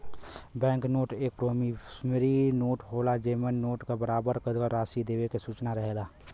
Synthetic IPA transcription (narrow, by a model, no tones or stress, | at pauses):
bɛ̃ːŋknoːʈeːk̚pɾoːmismeɾinoːʈɦoːlad͡ʒeːmənːoːʈkebəɾaːbəɾkəkəɾaːsid̪eːwekesuːt͡ʃnaɾəɦelaː